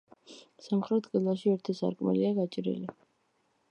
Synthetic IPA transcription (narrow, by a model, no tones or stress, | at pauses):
samχɾɛt̪qʼid̪lˠaʃiɛɾt̪ʰisa̰ɾkʼmɛ̰liaɡat͡ʃʼɾḭli